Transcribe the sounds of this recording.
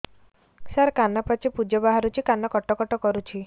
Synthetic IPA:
saɾkanapat͡ʃʰipud͡ʒɔbaɦaɾut͡ʃʰikanɔkɔʈɔkɔʈɔkɔɾut͡ʃʰi

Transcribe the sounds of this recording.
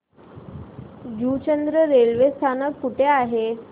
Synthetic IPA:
d͡ʑut͡ɕənd̪ɾəɾelʋest̪ʰanəkːuʈʰeaɦe

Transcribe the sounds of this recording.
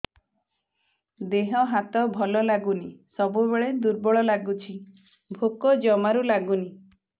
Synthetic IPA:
d̪eɦɔɦat̪ɔbʱɔlɔlaɡunisɔbubeɭed̪uɾbɔɭɔlaɡut͡ʃʰi | bʱokɔd͡ʒɔmaɾulaɡuni

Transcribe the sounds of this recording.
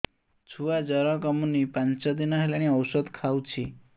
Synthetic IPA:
t͡ʃʰuʋad͡ʒəɾɔ̃kəmunipãnt͡ʃɔd̪inaɦilañiəwsəd̪kʰawt͡ʃʰi

